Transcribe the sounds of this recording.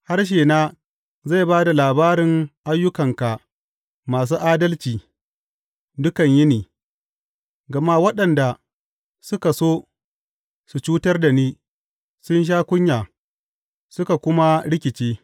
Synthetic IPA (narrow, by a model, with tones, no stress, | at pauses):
ha˦rʃ̬eː˨naː˦ | za˦˨baː˦da˨laː˨baː˦ɾɪ˨ŋʔa˦jːʊ˦kɐ˨ŋka˨ | maː˨s̬uː˦ʔaː˦dɐ˦lt͡ʃiː˨ | dʊ˦kɐ˨ɲjɪ˦niː˨ | ɡɐ˨ma˦wɐ˦ɗɐ˨nda˨ | sʊ˦ka˨soː˦ | su˨t͡ʃuː˦tɐ˦rda˨niː˦ | sʊ˦nʃ̬aː˦kʷʊ˦ɲjaː˨ | sʊ˦ka˨kʷʊ˦ma˦ɽɪ˦kʲɪ˨t͡ʃeː˦